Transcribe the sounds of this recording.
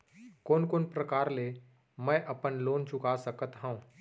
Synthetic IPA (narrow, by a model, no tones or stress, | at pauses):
koːnkoːnpɾəkaːɾle | mɛ̃ʔɐpənloːnt͡ʃʊkasəkət̪ɦɛ̃ũː